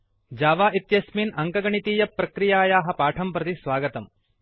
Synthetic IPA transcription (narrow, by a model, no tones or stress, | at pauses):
d͡ʒaːʋaːʔit̪jɐsminɐŋkɐɡɐɳit̪iːjɐpːɾɐkɾijaːjaːɦɐ̆paːʈʰɐmpɾɐt̪isʋaːɡɐt̪ɐm